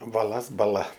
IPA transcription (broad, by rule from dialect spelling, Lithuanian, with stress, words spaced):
bɐˈlˠɐs bɐˈlˠɐ